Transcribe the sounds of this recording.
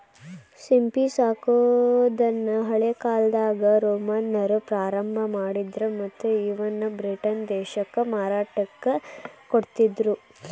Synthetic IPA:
simpisaːkod̪ɐnːɐɦɐɭekaːld̪aːɡɐɾoːmɐnːɐɾupɾaːɾɐmbʱɐmaːɽid̪ɾumɐt̪ːuiʋɐnːɐbɾiʈɐnd̪ɛːʃɐkːɐmaːɾaːʈɐkːɐkoɽt̪id̪ɾu

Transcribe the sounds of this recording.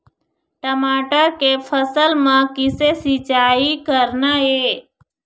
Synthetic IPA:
ʈəmaːʈəɾkepʰəsəlmãkɪsesit͡ʃaːikəɾnaɦeː

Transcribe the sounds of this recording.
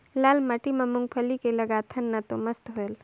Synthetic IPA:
laːlmɐʈimɐmʊŋɡpʰəlikelɐɡat̪ʰɐnːɐt̪omɐst̪ɦoel

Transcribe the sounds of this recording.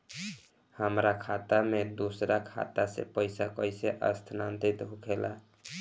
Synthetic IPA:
həmɾakʰat̪amed̪osɾakʰa̰t̪asḛpəjsakəɪseʔəst̪ʰnant̪it̪ɦukʰela̰

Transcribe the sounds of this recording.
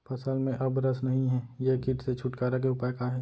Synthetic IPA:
pɐsəlmẽʔɐbɾɐsnɐɦĩɦɛːjekiːʈset͡ʃʰʊʈkaːɾak̬eʊpakaɦɛː

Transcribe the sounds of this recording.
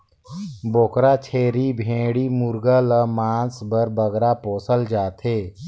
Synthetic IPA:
boːkɾat͡ʃʰeːɾibʱẽːɽimʊɾɡələmaːnsbəɾbəɡɾapoːsəld͡ʒaːt̪ʰeː

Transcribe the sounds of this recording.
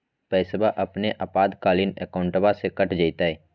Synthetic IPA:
pɛːɪsbaʔɐpneʔapaːd̪kaːlinɛ̰kaʊ̃ɳʈəbasekɐʈʰd͡ʒait̪aɛː

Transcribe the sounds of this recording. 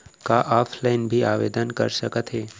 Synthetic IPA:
kaʔaːpʰlaɪnbʱiaːʋeːd̪ənkə̰ɾʃəkət̪ɦeː

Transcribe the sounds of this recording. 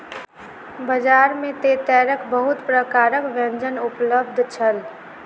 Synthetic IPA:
bəd͡ʒaːɾmẽt̪et̪ɛːɾəkbəɦʊt̪pɾəkaːɾəkʋɛ̃nd͡ʒənʊpləb̚d̪ʱt͡ʃʰəl

